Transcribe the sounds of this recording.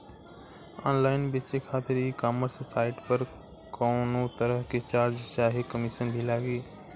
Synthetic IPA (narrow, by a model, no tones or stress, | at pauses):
a̰ːnlaːɪnbɪt͡ʃekʰaːt̪ɪɾiːkaːməɾsːaːɪʈpɐɾ | koːnot̪ɐɾəɦket͡ʃaːɾd͡ʒt͡ʃaːɦekəmɪʃənbʱilaːɡeː